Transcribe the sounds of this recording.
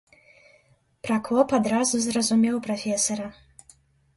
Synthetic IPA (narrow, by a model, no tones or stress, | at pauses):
pɾakɔpad̪ɾazuzrɐzumʲɛwpɾafʲɛsɔɾɐ